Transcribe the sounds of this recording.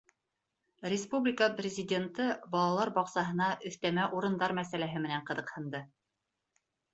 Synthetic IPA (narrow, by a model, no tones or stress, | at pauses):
rʲɪspublʲɪkəprʲɪzʲɪdʲent̪ɤbɑlˠɑlˠɑɾbɑqsɑɦɤ̆nɑʔɵ̆θt̪æmæʔuɾɤ̆nd̪ɑɾmæsælæɦɘmɘ̆næɴqɤ̆ðɤ̆qhɤ̆nd̪ɤ